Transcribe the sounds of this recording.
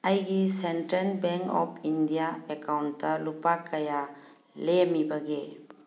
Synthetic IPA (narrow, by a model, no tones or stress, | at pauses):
ajɡisentɾenbeŋkɔ̰pʰindijaekawnːɐlupakʰːɐja | lemibɐɡe